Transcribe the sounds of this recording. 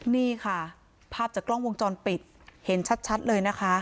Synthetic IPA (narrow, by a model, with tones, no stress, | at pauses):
niː˥˩kʰa˥˩ | pʰaː˥˩p̚t͡ɕaː˨˩klɔ˥˩ŋwo˧ŋt͡ɕɔː˧npi˨˩t̪̚ | he˩˦nt͡ɕʰa˦˥t̪̚t͡ɕʰa˦˥t̪̚lɤː˧jna˦˥kʰa˦˥ʔ